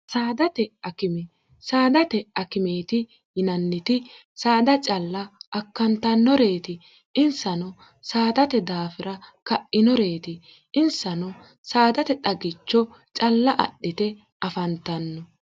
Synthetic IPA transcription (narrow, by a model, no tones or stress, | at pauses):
saːd̪ɐt̪ɛɐkɪmɛ | saːd̪ɐt̪ɛɐkɪmeːt̪ɪ | jɪnɐnːɪt̪ɪ | saːd̪ɐt͡ʃʼɐlːɐʔːkːɐnt̪ɐnːɔɾe̞ːt̪ɪ | ɪnsɐnɔ | saːd̪ɐt̪ɛd̪aːfɪɾɐkɐʔɪnɔɾeːt̪ɪ | ɪnsɐnɔ | saːd̪ɐt̪ɛtɐɡɪt͡ʃːɔ | t͡ʃʼɐlːɐʔɐ̰ɗːɪt̪ɛ | ɐfɐnt̪ɐnːɔ